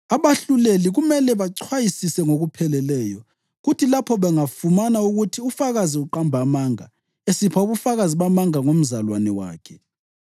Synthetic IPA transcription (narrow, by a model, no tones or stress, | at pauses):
aβaɬuleliɣumɛlɛβaǀʰwajisisɛŋoɣupʰɛlɛlɛːjɔ | ɣutʰilapʰɔβɛŋafumanauɣutʰiufaɣaziuǃambʱamaŋa | esipʰauβufaɣaziβamaŋaŋom̩zalwanɛwa̰ːkʰɛ̥